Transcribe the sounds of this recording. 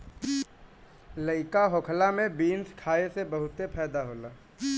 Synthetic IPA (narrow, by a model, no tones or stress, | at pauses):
ləɪkaɦoːkʰlamẽbiːnskʰaːesebəɦʊt̪epʰɛːd̪aɦoːlaː